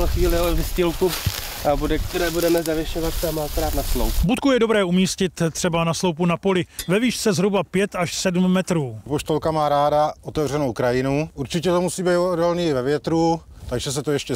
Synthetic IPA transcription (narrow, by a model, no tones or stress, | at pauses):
lɛxviːlɪalɛvɪscɪlku | abudɛk̚t̪ɛɾɛːbudɛmɛzavjɪʃovat̪sɛamalt̪oɾaːt̪naslo̰wpbut̪̚kujɛdo̞bɾɛːumiːscɪt̪t̪ːr̝̥ɛbanaslo̞wp̬unapo̞lɪvɛviːʃt͡sɛzɦɾubapjɛt̪aʃsɛdmːɛt̪ɾuːpoʃt̪olkamaːɾaːdaʔot̪ɛvr̝ɛnowkɾajɪnuuɾt͡ʃɪcɛt̪omusiːbejt̪oodolniːɪvɛvjɛt̪ɾut̪aɡʒɛs̬ɛt̪ojɛʃcɛ